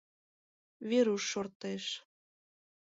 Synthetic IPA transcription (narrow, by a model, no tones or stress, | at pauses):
βeɾuʃːort̪eʃ